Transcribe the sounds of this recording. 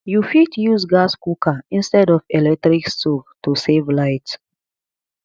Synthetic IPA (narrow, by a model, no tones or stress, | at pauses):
jufitjuzɡaskukʰaĩnstɛdɔvɛlɛk̚tɾikstuktusevlaɪt